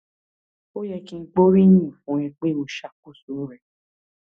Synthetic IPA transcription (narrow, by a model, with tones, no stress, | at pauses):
o˦jɛ˧kĩ˧˦˧k͡po˦ɾi˦ɲĩ˦˨fũ˨˦ɾɛ̃˧k͡pe˦o˧ʃa˦ko˦su˨˦ɾɛ˧